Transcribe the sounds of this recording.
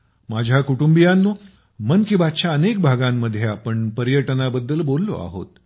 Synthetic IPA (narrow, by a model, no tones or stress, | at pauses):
mad͡ʑʱjakuʈumbijanːo | mənkibat̪̚t͡ɕjaənek̚bʱaɡãmːəd̪ʱːjeapəɳpəɾjəʈnabəd̪ːəlbolːo̰a̰ɦo̰t̪